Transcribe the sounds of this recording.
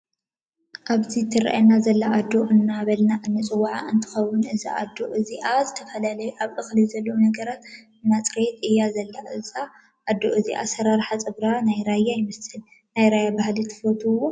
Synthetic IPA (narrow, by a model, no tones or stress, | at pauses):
ʔaβzit̪ʰɨɾa̰ʔjenazɐlːaʔad̪ːo̞ʔɨnːaβɐlnaʔɨnːɨt͡sʼɨwːaʕaʔɨnt̪ʰɨ̥xɐwːʊnɨza̰ʔad̪ːoʔɨziʔazɨt̪ʰɐfɐlalɐjuʔaβʔɨxlɨjzɐlːɐwunɐɡɐɾat̪ | ɨnːat͡sʼɨɾet̪ɨjːazɐlːaʔɨza | ʔːd̪ːo̞ʔɨzḭʔa̰sɐɾaɾħat͡sʼɨbɾanajɾajːajɪmɐsɨl | najɾajabahlit̪ʰɨ̥fot̪ʰuwːo̞